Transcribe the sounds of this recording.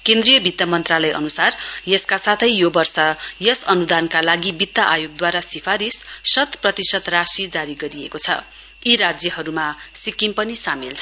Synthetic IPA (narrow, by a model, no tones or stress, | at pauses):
kẽnd̪rijʌbʱit̪jamʌnt̪ralʌjʌ̰nusarjʌskasat̪ʰʌjjobʌrsʌjʌsʌnud̪ankalaɡibit̪ːaʔajoɡ̚d̪waɾasipʰaɾissʌt̪prʌt̪isʌt̪rasid͡zaɾiɡʌɾiekot͡sʰʌ̰ | iɾad͡zjʌɦʌɾumasikimpʌnisamelt͡sʰ